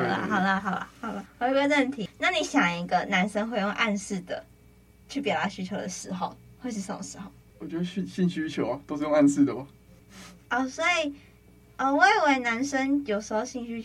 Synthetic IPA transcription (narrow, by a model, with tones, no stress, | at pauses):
ə̰˧ɦɑ˨˩ʊd̪ə˧ɦɑ˨˩ʊlə̰˧hɑ˨˩ʊd̪ə˧˨˧ɡə˧ɻə˥˧˩nt̪ʰi˧˦˥na˥˩ni˨˥˦ɕjɑ˨˩ŋi˧˦˥ɡə˧na˧˦˥nʂə˥ŋxwe˥˧ɪjo˥˧ŋʔa˥˧nsɹ̩˥˩d̪ə̰˩ | t͡ɕʰy˥˩pjɑ˨˩ʊd̪a˥˩ɕy˥t͡ɕʰjo˧˥d̪ə˨ʂɻ̩˧˥xo˨˧ʊxwe˥˧ɪʂ̬̩˥˩ʂə˧˩mɔ̰˨˩ʂɻ̩˧˥xo˧˩ʊ | wɔ˨˩t͡ɕo˥˧ɕy˥˧ɕi˥˩ŋɕy˥t͡ɕʰjo˨˥ʊɐ˨˩t̪o˥ʂɻ̩˥˧jo˥˧ŋa˥˧nsɹ̩˥˩d̪ə˩bɐ˨˩ | ɔ˥˩swɔ˧˦˥i˨˩ | ɔ˥˨we˥˩we˧˥˩ɪna˧˦˥nʂə˦˥ŋjo˨˩ʊʂɻ̩˧˥xo˧ʊɕi˥˩ŋɕy˥